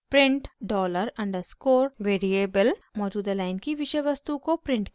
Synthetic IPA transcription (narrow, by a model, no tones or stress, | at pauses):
pɾɪ̃ɳʈɖɔːləɾɐ̃ɳɖəɾskoːɾʋeːɾieːbəlmɔːd͡ʒuːd̪alaːɪnkiʋɪʃəʋɐst̪ukopɾɪ̃ɳʈk